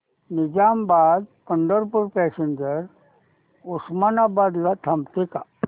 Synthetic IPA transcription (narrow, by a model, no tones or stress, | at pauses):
nɪd͡ʒaːmbaːd̪̚kəɳɖəɾpuɾpɛːseɲd͡ʒəɾ | ʊsmanabaːd̪lat̪ʰɐmt̪ika